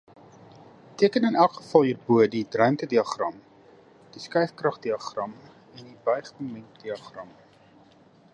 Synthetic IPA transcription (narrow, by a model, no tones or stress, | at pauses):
tiəkənənælˠkχə̥fɐlˠɦiːrbuədidrœɥmtədiɐχrɐm | d̥iskɛɥfkrɐχdiɐχrɐm | ɛndibœjχəmɛntd̥iɐχrɐm